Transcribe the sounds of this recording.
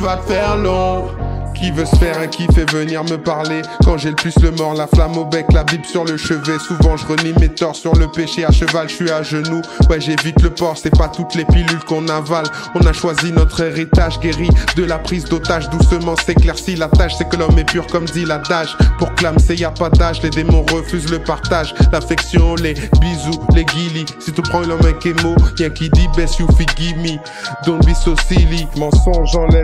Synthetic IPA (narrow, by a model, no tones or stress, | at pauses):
vafɛʁlɔ̃kʲivøsəfɛʁɛ̃kʲifɛvəniʁməpaʁlekɑ̃ʒɛləplysləmɔʁlaflamobɛklabibsyʁləʃəvɛsuvɑ̃ʒəʁənimet̪ɔʁsyʁləpeʃeaʃəvalʃɥaʒənuwɛʒɛvit̪ləpɔʁsɛpat̪ut̪lepilylkɔ̃naval | ɔ̃naʃwazinɔt̪χeʁit̪aʒɡʲeʁid̪əlapχizd̪ot̪aʒd̪usəmɑ̃seklɛʁsilat̪aʃsɛkəlɔmɛpyʁkɔmd̪ilad̪aʃpuʁklamseijapad̪aʃled̪emɔ̃ʁəfyzləpaʁt̪aʒlafɛksjɔ̃lebizuleɡʲilisit̪ypχɑ̃lɔ̃mɛ̃kemojɛ̃kʲid̪ibɛsyfiɡʲimi | d̪ɔ̃bisosilimɑ̃sɔ̃ʒɑ̃lɛ